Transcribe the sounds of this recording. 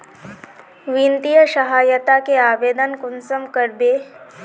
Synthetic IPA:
ʋĩːnt̪ijəʃɐɦaːjət̪akeaːʋeːd̪ənkʊnsəmkəɾbeː

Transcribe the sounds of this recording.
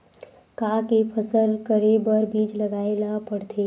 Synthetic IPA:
kãːkepʰəsəlkəɾebəɾbiːd͡ʒləɡaːelapəɽt̪ʰeː

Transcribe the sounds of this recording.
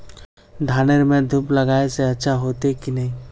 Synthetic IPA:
ɖʱaːneɾmẽd̪ʱuːplɐɡaːeseɐtːʃʰaɦoːt̪ekinɐɦĩ

